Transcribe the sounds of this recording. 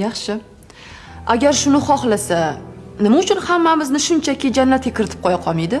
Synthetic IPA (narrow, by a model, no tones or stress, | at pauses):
jɑχʃɪ | aɡʲaɾʃʊnɪχɒχlasanɪmaʊt͡ʃʰʊnhamːamɪznɪʃʊnt͡ʃʰakʲɪd͡ʒanlat̪ekʲɪɾɪt̪ʰɪ̥p̚qʰɒjaqʰɒmijd̪ɪ